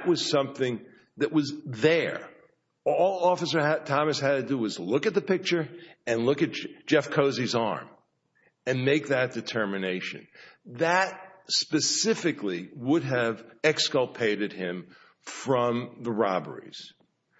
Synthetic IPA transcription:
ʔwʌz̥sʌ̃mθɪ̃ŋ | ðɨʔwʌzðə˞ | ɔlˠɔfəsə˞ɨd̚tʰɑmɨshɨd̚tɨdɨwʌzlʊkɨt̪̚ðɨpɪk̚t͡ʃə˞ɨ̃nlʊkɨt̚d̥ʒ̥ɛfkʰoʊzizɑ̰ɹm | ɨ̃nmeɪk̚ðɨt̚d̥ɨtʰɜ˞mɨneɪʃɨ̰̃nðɨt̚spɨsɪfɨkliwʊɾɨvɛkskəlˠpʰeɪɾɨd̚ɪ̃ɱ | fɹʌ̃mðəɹɑbə̰˞ḭz̥

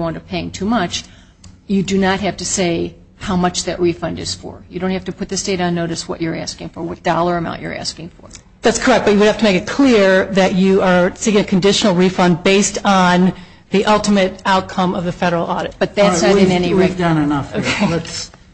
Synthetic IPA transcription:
wɑ̃ntɨ̥pʰeɪɪ̃ŋtʰumʌt͡ʃ | jɨdɨnət̚ɦæftɨseɪ | haʊmʌt͡ʃðɨʔɹifʌ̃ndɨ̰z̥fə̰˞jɨɾõʊ̃nthæftɨpʰʊt̪̚ðɨsteɪɾn̩noʊɾɨswʌ̰t͡ʃə˞æ̰skɪ̃ŋfə˞wʌt̚d̥ɑlˠə˞ɨmã̰ʊ̃nt͡ʃə̰˞æ̰skɪ̃ŋfə̰˞ | ðætskʰə˞ɛk̚b̥ʌt͡ʃɨwɨd̚hæftəmeɪkɨt̚kʰl̥ɪɹðɨt͡ʃɨə˞siɪ̃ŋɨkʰɨ̃n̩dɪʃn̩l̩ˠɹifʌ̃nd̚beɪstn̩ | ðiʔʌlˠtɨmɨɾaʊt̚kʰʌ̃mʌvðɨfɛɾə˞l̩ˠɔ̰ɾɨt̚b̥ʌt̪̚ðætsaɾɨ̃nɛniɹeɪvdʌ̃nɨnʌfoʊkʰeɨts

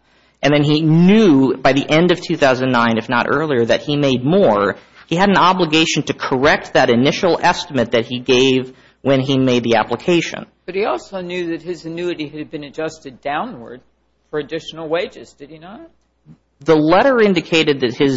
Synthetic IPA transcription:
ʔɨ̃nðɨ̃ninjʉbaɪðiʔɛ̃ndʌv̥tʰʉθaʊzɨ̃nnãɪ̃nɨfnə̰ɾʔɜ̰˞lˠiə˞ðɨt̚himeɪd̚mɔɹ | iɨɾn̩ɑbləɡeɪʃn̩tʰɨkʰə˞ɛk̚t̪̚ðɨɾɨnɪʃl̩ˠɛstəmɨt̪̚ðɨt̚hiɡeɪv | wɨ̃nimeɪd̪̚ðiæ̰pləkʰeɪʃɨ̰̃n | b̥ʌt̚hiɔlˠsoʊnjʉðɨt̚hɨzɨnʉɨɾiɨd̚bɨ̃nɨd͡ʒʌstɨdãʊ̃nwə̰˞d̥̚ | fə˞ɨdɪʃn̩l̩ˠweɪd͡ʒɨz̥dɨd̚inət̚ | ðəlɛɾə˞ɪ̃ndɨkʰeɪɾɨd̪̚ðɨt̚hɪz

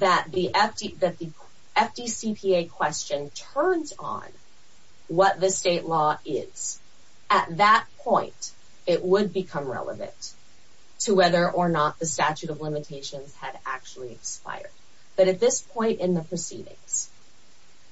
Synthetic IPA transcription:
ðɨt̪̚ðiʔɛfdiðɨt̪̚ði | ɛfd̥isipʰieɪkʰw̥ɛst͡ʃɨ̃ntʰɜ̃˞nzn̩ | wʌt̪̚ðɨsteɪʔˡlɔɪz̥ | ɨt̪̚ðət̚pʰɔ̃ɪ̃nt | ɪʔ̚wəd̚bɨkʰʌ̃mɹɛ̰lˠə̰vɨ̰̃nt | tʰəwɛðə˞ʔə˞nət̪̚ðɨstæt͡ʃʉɾʌvlɪ̃mɨtʰeɪʃɨ̃nz̥ɨɾæ̰k̚t͡ʃl̩ˠiɨkspa̰ɪə̰˞d̚ | b̥ʌɾɨt̪̚ðɪspʰɔ̃ɪ̃ntɨ̃nðəpʰɹ̥ɨsḭɾɪ̰̃ŋz̥

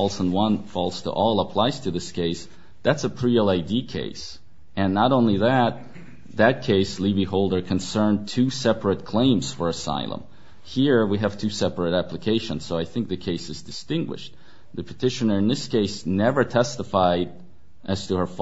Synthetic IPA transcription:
lˠsə̃nwʌ̃nfɔlˠstʰə̰ʔɔlˠəpʰl̥aɪz̥tʰɨðɪskʰeɪs | ðætsəpʰɹ̥iɛlˠaɪdikʰḛɪs | ɨ̃nːəɾõʊ̃nliðɨt̪̚ | ðɨt̚kʰeɪsliviɦoʊlˠdə˞kʰɨ̃nsɜ̃˞ntʰʉsɛpɹɨt̚kʰl̥ẽɪ̃mz̥fə˞ɨsa̰ɪlˠə̰̃m | hiɹwiɨv̥tʰʉsɛpɨɾæpləkʰeɪʃə̃nz̥soʊaɪθɪ̃ŋk̚ðɨkʰeɪsɨzdɨstɪ̃ŋɡwɨ̰ʃt̪̚ | ðɨpʰɨ̥tʰɪʃɨnə˞ɨ̃nðɪskʰeɪsnɛvə˞tʰɛstəfaɪɾ | ʔɨz̥tʰɨə˞f

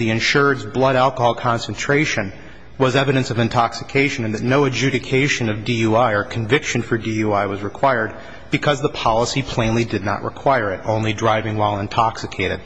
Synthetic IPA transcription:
ðiɨ̃nʃʊɹdzblʌɾælˠkəhɑlˠkʰɑ̃nsn̩tʰɹ̥eɪʃɨ̃n | wʌzɛvɨɾɨ̃nsʌvɨ̃ntʰɑksɨ̥kʰeɪʃɨ̃nɨ̃nðɨtⁿnoʊɨd͡ʒʉɾɨkʰeɪʃɨ̃nʌvdijuaɪə˞kʰɨ̃ɱvɪkʃɨ̃nfə˞diuaɪwʌzɹɨkʰw̥aɪə˞d̚ | bɨkʰʌzðəpʰɑlˠəsipʰl̥ẽɪ̃nlidɨdⁿnə̰ʔ̚ɹɨ̰kʰw̥aɪə˞ɨɾõʊ̃nlidɹaɪvɪ̃ŋwaɪlˠə̃ntʰɑksɨkʰeɪɾɨ̰d̥̚

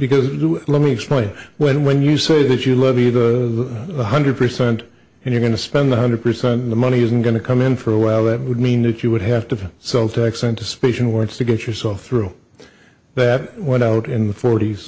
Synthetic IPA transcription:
bɨkʌzlɛt̚miɨksplẽɪ̃nwɨ̃nwɨ̃njɨseɪðɨt͡ʃɨlɛviðəððəhʌ̃ndɹɨd̚pʰə˞sɛ̃nt | ɨ̃njə˞ɡʌnɨspɛ̃nðəɦʌ̃ndɹəd̚pʰə˞sɛ̃n̩ðəmʌɾ̃iɪzn̩ɡ̥ʌnɨkʰʌ̃mɪ̃nfə˞əwaɪlˠðɨt̚wəd̚mĩnðɨt͡ʃɨwɨd̚ɦæftɨsɛlˠtʰæksæ̃ntʰɪsə̥peɪʃn̩wɑɹ̃ntstʰɨɡɛt͡ʃə˞sɛlˠfθɹʉ | ðɨt̚wɛ̃ɾ̃aʊɾɪ̃nðəfɔɹɾiz̥

